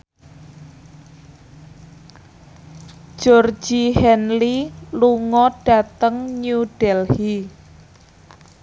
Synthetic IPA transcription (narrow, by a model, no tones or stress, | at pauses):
ʒ̥ɔr̥d͡ʒ̥ihɛnliluŋɔɖ̥a̤t̪əŋɲuɖ̥ɛlhi